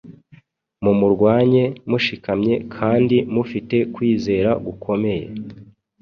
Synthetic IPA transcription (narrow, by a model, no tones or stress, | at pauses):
mumuɾɡwaːɲe̞muʃikamɲe̞kʰaːndimufite̞kwiːze̞ːɾaɡukʰo̞me̞jḛ